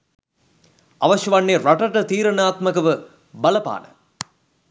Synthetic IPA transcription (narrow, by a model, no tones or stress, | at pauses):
aʋɐʃjɐʋanːeɾaʈəʈət̪iːɾənaːt̪məkəʋə | bɐləpa̰ːnə̰